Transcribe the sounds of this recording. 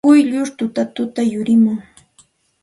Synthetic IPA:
ʊjʎʊɾt̪ʊt̪at̪ʊt̪ajʊɾɪmʊŋ

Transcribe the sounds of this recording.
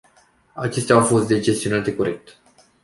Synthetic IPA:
at͡ʃe̞st̪aawfo̞st̪̚d̪e̞d͡ʒe̞st̪ionat̪e̞ko̞ɾe̞k̚t̪

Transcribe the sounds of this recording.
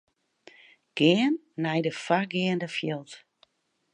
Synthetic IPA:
ɡ̥ɪənːɛjdəfarɡɪəndəfjɪlˠt

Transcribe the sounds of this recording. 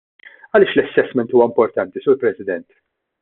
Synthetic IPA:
ɐlɪːʃlɛsːɛsmɛnt̪uːwɐɪmpɔɾt̪ɐnt̪isuːɾpɾɛsɪd̪ɛnt̪

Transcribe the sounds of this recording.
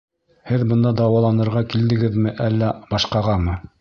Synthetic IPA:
hɘðbɤ̆nd̪ɑd̪ɑwɑlˠɑnɤ̆ɾʁɑkild̪ɘ̆ɡɘðmɘʔælːæb̥ɑʃqɑʁɑmɤ

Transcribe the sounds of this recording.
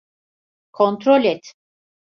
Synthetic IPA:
kʰont̪ɾolʲɛt̪

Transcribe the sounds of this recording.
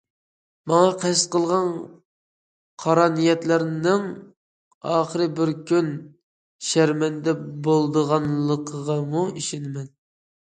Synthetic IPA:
mɑŋɑqʰæst̪qəlˠʁɑn | qʰɑɾɑnijɛt̪læɾnɪŋ | ɑːχəɾɨbɪɾkʲʰyn | ʃæɾmɛnd̪ɛbolˠd̪əʁɑnlˠəqʰəʁɑmuiʃinɪmɛn

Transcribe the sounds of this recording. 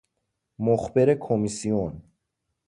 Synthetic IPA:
moxbeɾekʰomisijon

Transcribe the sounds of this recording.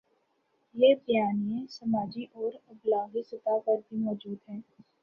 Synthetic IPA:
jeːbjaːnijẽsɐmaːd͡ʒiʔɔːɾɐblaːɡisɪt̪akəɾbʱimɔːd͡ʒuːd̪ɦɛ̃ː

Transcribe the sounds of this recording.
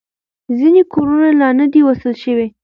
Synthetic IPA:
zinekʰoɾunalɑnəd̪iwasəlʃəwe

